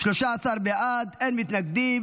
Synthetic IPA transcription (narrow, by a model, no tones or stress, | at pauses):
ʃloʃaːsaʁbeʔad̪enmit̪naɡ̚d̪i